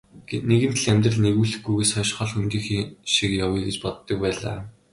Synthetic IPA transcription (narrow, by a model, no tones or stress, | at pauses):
neɣɘnt̪̆ʰɮæmʲt̪rə̆ɮneɣuːɮɘ̆xɡujɣeːsœʃχɔɮxunt̪iːŋxʃikjawiːɡet͡ɕpɔt̪ːɞ̆k̚pæːɮa̰ː